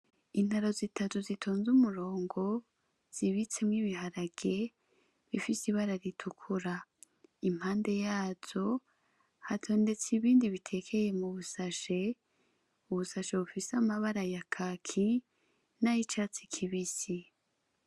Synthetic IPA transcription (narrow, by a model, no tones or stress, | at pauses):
in̥haɾo̞zitʰatuzitʰo̞ːnzumuɾo̞ːŋɡo̞ | z̥iβit͡se̞mŋiβihaɾaɡ̥e̞ | βifisiβaɾaɾitʰukʰuɾa | im̥haːnde̞jaːz̥o̞ | hatʰo̞ːnde̞t͡siβiːndiβitʰe̞kʰe̞je̞muβusaʃe̞ | uβusaʃe̞βufisamaβaɾajakʰakʰi | najit͡ʃaːt͡si̥kʰiβisi